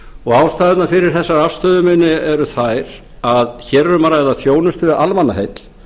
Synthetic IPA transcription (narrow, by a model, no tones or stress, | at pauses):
ɔɣaːwst̪aːðɪt̪nafɪɾɪɾ̥θɛsːaɾafst̪œːðʏmɪnːɪɛɾʏθajɾ | aðçɛːɾɛɾʏmaɾaɛðaθjoːwnʏst̪vɪðalmanːaɦejt̪l̥